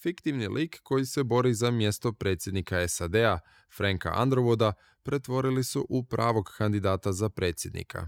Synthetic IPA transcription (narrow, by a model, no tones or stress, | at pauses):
fikt̪iʋnilʔiːkːo̞jise̞bo̞ɾizamje̞st̪o̞pɾe̞t̪sje̞d̪nikaesad̪e̞a | fɾaŋka̰ʔa̰nd̪ɾoʋod̪a | pɾe̞t̪ʋo̞ɾilisuʔupɾʔaːʋo̞ɡkand̪id̪aːt̪azapɾe̞ːt̪sʲje̞d̪nḭkʰa̰